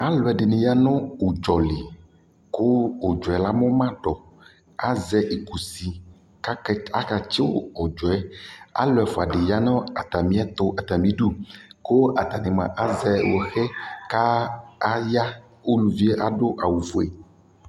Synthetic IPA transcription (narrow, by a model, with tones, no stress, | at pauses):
a˦lɔ˨ɛ˨ɖe˨nĩ˨ja˦nɔ̃˦wo˨d͡ʒɔ˨li˨ | ko˦wo˨d͡ʒɔ˨ɛ˨la˦mɔ̃˦mã˦ɖɔ˨ | a˦zɛ˦ʔe˨ku˨si˨ | ka˦a˦ka˨t͡ʃe˦wo̰˦ɔ˨d͡ʒɔ˨ɛ˦a̰˦lɔ˨ɛ˨fo˨a˨ɖe˨ja˦nɔ̃˦a˨t̪a˨mĩ˦a˦t̪o˦ʔa˨t̪a˨mĩ˦ɖu˦ko˦ʔa˨t̪a˨nẽ˨mã̰˨ʔa˦zɛ˦wo˨xɛ˦kaː˦ | ja˦ | wo˦nũ˨vi˦e˦ʔa˦ɖo˦ʔa˨wu˨fo˨ḛ˨